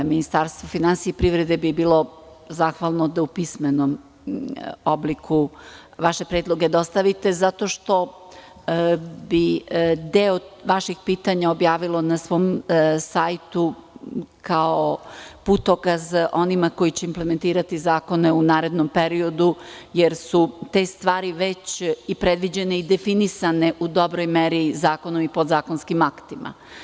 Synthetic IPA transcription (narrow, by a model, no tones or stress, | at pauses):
minist̪aɾst̪vʋofinansijeipɾivɾed̪ebibiːlˠo̞ | zaːxʋalˠnod̪aupismenom | oblikʰu | ʋaʃe̞pɾeːd̪lˠo̞ɡed̪aost̪aʋit̪e̞zat̪o̞ʃt̪o̞ | bid̪eoʋaʃixpiːt̪aɲaobjaːʋilˠo̞nasʋo̞ːmsajt̪u | kaoput̪okazʔo̞nimako̞jit͡ɕeimplement̪iːɾat̪izaːko̞neunaːɾe̞d̪nompeɾio̞d̪ujeɾsut̪e̞st̪ʋaːɾiʋet͡ɕipɾed̪ʋid͡ʑe̞neid̪efinisaneʔud̪o̞bɾojmeɾizaːko̞nomipo̞d̪zaːko̞nskimakt̪ima̰